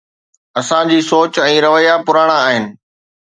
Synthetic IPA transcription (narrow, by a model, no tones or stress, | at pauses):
ɐsãd͡ʑiːsoːt͡ɕɛ̃ːɾɐʋəjapʊɾaːɽ̃aːɦɪnɪ̆